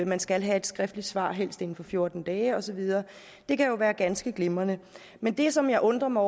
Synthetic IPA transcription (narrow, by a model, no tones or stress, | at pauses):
mænsɡ̥ælɦæe̝d̥sɡ̥ʁɛfd̥lid̥sʋɑ̰̈ːɦel̰sd̥e̝n̩fɒ̽fjo̝ɐd̥n̩d̥ɛːɒ̽sɒ̽ʋið̞ˠɐː | d̥e̝kʰæjo̝ʋæːɐɡ̥ænsɡ̥əɡ̥le̝mɐnə | mend̥e̝sɒ̽mjɑ̈ɪʔɔ̽nd̥ʁɐmɑɒ